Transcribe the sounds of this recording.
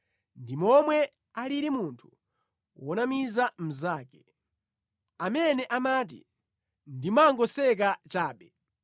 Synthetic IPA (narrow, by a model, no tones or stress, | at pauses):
ndimɔmwɛ | aliɾimuntʰu̥ | wɔnamizam̩zaːkɛ | amɛnɛʔamat̬ḭ | ndimaŋɡɔsɛk̬at͡ʃaːɓɛ